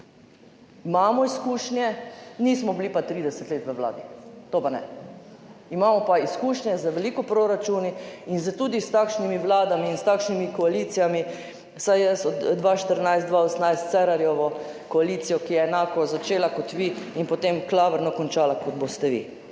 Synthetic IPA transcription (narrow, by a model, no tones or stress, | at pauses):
imaːmɔiskuːʃnjɛniːsmɔbliːpat̪ɾiːd̪ɛsɛt̪leːt̪ʋəʋla̰ːd̪it̪opanɛ̰ | imaːmɔpaiskuːʃnjɛzaʋɛliːkɔpɾoɾat͡ʃuniinzat̪uːd̪ist̪akʃnimiʋlaːd̪amiːnst̪akʃnimikɔaliːt̪sijami | sajjɛsɔd̪d̪ʋaːʃt̪əɾnajst̪d̪ʋaosnajst̪t̪sɛɾaɾjɔʋɔ | kɔaliːt̪sijɔkijɛːnaːkɔzat͡ʃeːlakɔt̪ʋiːinpɔt̪emklaːʋəɾnɔkɔnt͡ʃaːlakɔd̪̚bost̪ɛʋḭː